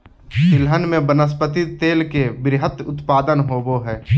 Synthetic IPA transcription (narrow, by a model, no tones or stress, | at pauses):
sɪlɦənmẽbənəs̬pət̪it̪eːlkebɾɪɦət̪ʊt̪paːd̪ənɦoːboɦɛː